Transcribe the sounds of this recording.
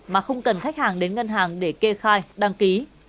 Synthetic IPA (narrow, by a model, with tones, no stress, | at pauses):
maː˨˩xə˧wŋ͡mkə˨˩nxa˦˥k̚haː˨˩ŋɗe˨˦nŋə˧nɦaː˨˩ŋɗe˧˩ke˧xaː˧jɗa˧ŋki˨˦